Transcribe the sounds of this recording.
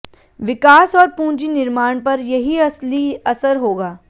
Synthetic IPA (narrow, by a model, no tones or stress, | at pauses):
ʋɪkaːsɔːɾpũːnd͡ʒinɪɾmaːɽ̃pɐɾjɐɦiɐsliɐsəɾɦoːɡaː